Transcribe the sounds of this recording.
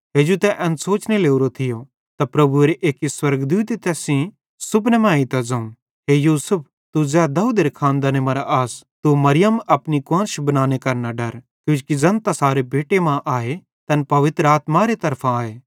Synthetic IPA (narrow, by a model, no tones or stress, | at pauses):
ɦeːd͡ʒut̪ɛʔɐ̃nsoːt͡ʃneleːuɾot̪ʰɪjo | t̪apɾɐbueɾeʔeːkiswɐɾɡd̪uːt̪̬it̪ɛːsĩ | sʊpʰnɛmãːit̪ad͡zɐ̃ũn | ɦeːjuːsʊp̚ | t̪ud͡zɛːd̪ɐuːd̪eɾekʰãːnd̪aːnemɐɾaʔaːst̪umɐɾɪjəmɐpnikãnʃbɐnaːnekɐɾnaɖɐɾ | kjũːkid͡zɐ̃nt̪asaːɾebeːʈemãʔaːe | t̪ɐnpɐʋɪt̪ɾaːt̪maɾet̪ɐɾpʰãaːeː